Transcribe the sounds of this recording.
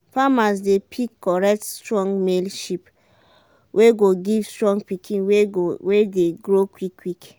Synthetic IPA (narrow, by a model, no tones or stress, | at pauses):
famasdepʰikːɔɹɛk̚tstɹɔ̃ŋɡmelʃip | wʔeɡoɡivstɹɔ̃ŋɡ̚pikʰĩnwewedeɡɹokwikːwik